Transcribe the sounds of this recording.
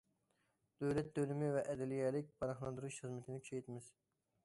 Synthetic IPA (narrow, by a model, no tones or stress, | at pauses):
d̪̥øwlɛt̪̚d̪ølymɪvɛʔɛd̪ɛlijɛːlɪk̚ʲpʰɑɾɑχlˠɑnd̪uɾuʃχəzmɪt̪ʰɪnɪkʰy̥t͡ʃʰɛjt̪ʰɪmɪz̥